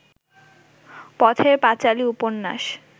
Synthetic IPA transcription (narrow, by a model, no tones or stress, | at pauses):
pɔt̪ʰepat͡ɕaliuponːa̰ʃ